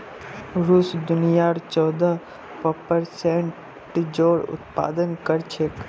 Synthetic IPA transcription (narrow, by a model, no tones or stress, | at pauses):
ɾuːsd̪ʊnijaːɾt͡ʃɔːd̪ə | pɔpəɾsẽɳ | ʈd͡ʒoːɽʊ̰t̪pa̰ːd̪ənkəɾt͡ʃʰek